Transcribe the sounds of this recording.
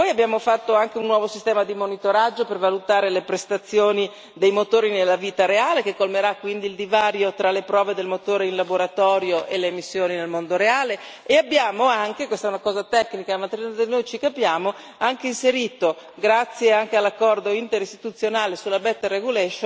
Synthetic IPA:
pɔjabjaːmofat̪ːoaŋk̟eunːwɔːvosist̪ɛːmad̪imonit̪oɾad͡ʒːopervalut̪aːɾelepɾest̪at̪sːjoːni | d̪ejmot̪oːɾinelːaviːt̪aɾeaːlekekːolmeɾakːwind̪iːld̪ivaːɾjot̪ɾalepɾɔːved̪elmot̪oːɾeinlaboɾat̪ɔːɾjoʔeleːmisːjoːninelmond̪oɾeaːle | eabːjaːmoaŋk̟ekwest̪aɛunakɔːzat̪ɛkːnikamat̪ɾid̪enojt͡ʃikapjaːmo | aŋk̟einseɾiːt̪oɡɾat̪sːjeaŋk̟ealːakːɔrd̪oint̪eɾist̪i̥t̪ut̪sːjonaːlesulːabɛt̪ːreɡulɛʃo

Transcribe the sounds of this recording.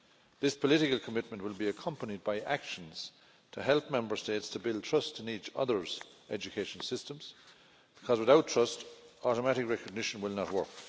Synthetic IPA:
ðɪspʰəlɪɾɪkəlˠkʰəmɪt̚mə̃nʔwɪlˠbiəkʰʌ̃mpənid̚baɪʔakʃə̃nz̥ | tʰəɦɛlˠp̚mɛ̃mbə˞steɪtstʰəbɪlˠd̚tʰɹ̥ʌstɪ̃nit͡ʃʌ̰ðə˞z̥ | ʔɛd͡ʒɨkʰeɪʃə̃n̩sɪstə̃mz̥ | b̥ɪkʰʌzwɪðaʊtʰɹ̥ʌstɔɾəmæɾɪkɹɛkəɡ̚nɪʃə̃nwɪlˠnət̚wɜ̰˞k

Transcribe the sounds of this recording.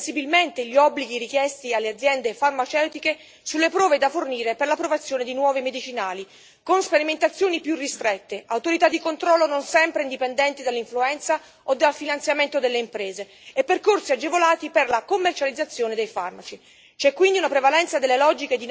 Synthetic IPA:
sibilment̪eʎːiɔbːliɡiɾik̟jɛst̪ialːead̪zjɛnd̪efarmat͡ʃɛwt̪ike | sulːepɾɔːved̪aforniːɾeperlapɾovat̪sːjoːned̪inwɔːvimed̪it͡ʃinaːli | konspeɾiment̪at̪sːjoːnipjurːist̪ɾet̪ːeawt̪oɾit̪ad̪ːikont̪ɾɔlːononsɛmpɾeind̪ipend̪ɛnt̪id̪alːiɱfluɛnt̪sa | od̪ːalfinant̪sjament̪od̪elːeimpɾeːzeː | pːerkorsiad͡ʒːevolaːt̪iperlakomːert͡ʃalid̪zːat̪sːjoːned̪ejfa̰rmat͡ʃi | t͡ʃɛkːwind̪iunapɾevalɛnt̪sad̪elːelɔd͡ʒiked̪in

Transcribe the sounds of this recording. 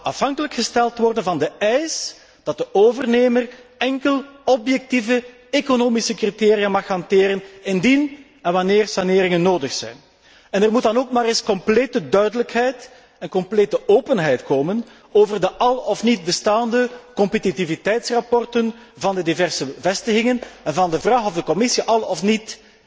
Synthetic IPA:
ɑfɦɑŋkələkxəstɛlˠtʋɔrdənvɑndəɛjs | d̥ɑt̚dəʔoːvərneːmərɛŋkəlɔpjɛk̚tivə | ekonoːmisəkriteːɾijamɑxɑnteːɾənɪndin | ɛnʋɑneːrsɑnɪːɾɪŋənːoːdəxsɛ̰jn | ɛnərmut̚dɑnoːkmaːɾɪskɔmpleːtədœɥdələkɦɛjt | ɛnkɔmpleːtəʔoːpənɦɛjtkoːmən | oːvərdəʔɑlˠɔfnid̚bəstaːndəkɔmpətitivitɛjtsrɑpɔrtən | vɑndədivɛrsəvɛstəɣɪŋənɛnvɑndəvraːɣɔvdəkɔmɪsiʔɑlˠɔfnit

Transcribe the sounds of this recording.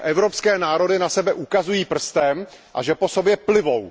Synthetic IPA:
ʔɛvɾo̞pskɛːnaːɾo̞dɪnasɛbɛʔukazujiːpr̩st̪ɛm | ʔaʒɛpo̞so̞bjɛplɪvo̞w

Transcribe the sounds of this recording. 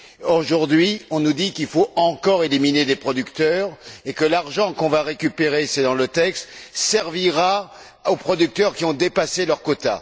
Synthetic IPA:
oʒuʁd̪ɥiɔ̃nud̪ikilfoɑ̃kɔʁelimined̪epχɔd̪ykt̪œʁekəlaʁʒɑ̃kɔ̃vaʁekʲypeʁesɛd̪ɑ̃lət̪ɛkst̪sɛʁviʁa | opχɔd̪yk̚t̪œʁkʲiɔ̃d̪epaselœʁkɔt̪a̰

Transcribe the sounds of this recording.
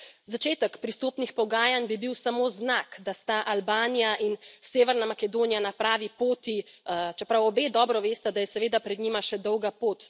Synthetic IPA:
zat͡ʃeːt̪ɛkpɾist̪oːpnixpɔɡaːjanbibiwsamoznakd̪ast̪aʔalbaːnijaʔinseːʋɛɾnamakɛd̪oːnijanapɾaːʋipoːt̪it͡ʃɛpɾawɔbeːd̪ɔːbɾɔʋeːst̪ɛd̪ajɛsɛʋeːd̪apɾɛd̪ɲimaʃɛd̪ɔwɡapoːt̪

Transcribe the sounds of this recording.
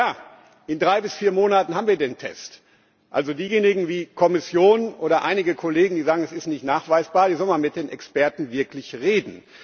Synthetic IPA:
jaː | ʔɪndʁaɪbɪsfiːɐmoːnatn̩ɦaːbmviːɐdeːntʰɛ̰st | ʔa̰lzodiːjeːnɪɡŋ̩viːkʰɔmɪsjoːnʔoːɾɐʔaɪnɪɡəkʰoleːɡŋ̩diːzaːɡŋ̩ɛsɪstnɪçtnaːχv̥aɪsb̥aːɐdiːzɔlmanmɪt̚d̥eːnɛkspɛɐtn̩vɪɐklɪçʁeːdn̩

